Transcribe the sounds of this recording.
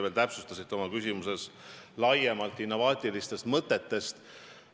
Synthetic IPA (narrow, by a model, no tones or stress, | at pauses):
ve̞lt̪æpsu̥st̪ɑsit̪ːˑo̞mɑkysʲimuse̞slɑjemɑlt̪ːˑinːo̞vɑːt̪ʲˑilist̪e̞st̪mɤt̪ːˑe̞t̪ːe̞st̪